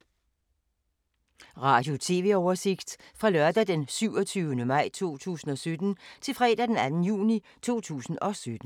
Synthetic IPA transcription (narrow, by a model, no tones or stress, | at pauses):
ʁɑ̈ːd̥jo̝t͡sʰe̝̰ːʋe̝ɒʊɐse̝ɡ̥d̥fʁɑ̈lɶɐd̥æd̥ensyʊɒt͡sʰyʊnəmɑ̈ɪ̰t͡sʰo̝̰ːt͡sʰṵːsn̩ɒ̽sød̥n̩t͡sʰe̝lfʁɛ̰ːdæd̥enænn̩jṵːni | t͡sʰo̝̰ːt͡sʰṵːsn̩ɒ̽sød̥n̩